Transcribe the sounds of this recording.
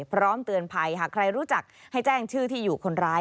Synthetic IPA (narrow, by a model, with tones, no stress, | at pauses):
pʰɾɔː˦˥mt̪ɯ˧ənpʰa˧jɦaː˨˩kʰɾa˧jɾuː˦˥t͡ɕa˨˩k̚ha˥˩jt͡ɕɛː˥˩ŋt͡ɕʰɯː˥˩t̪ʰiː˥˩juː˨˩kʰo˧nɾaː˦˥